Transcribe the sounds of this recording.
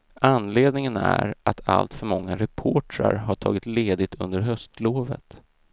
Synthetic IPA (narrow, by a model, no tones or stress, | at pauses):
ʔanːleːd̪nɪŋənæɾʔat̪ʰa̰lt̪fœɾmɔŋːaɾɛpʰoːʈɾa̰ɾɦaʈʰɑːɡɪt̪leːd̪ɪt̪ʰɵnd̪əɾɦœst̪loːvə̰t̪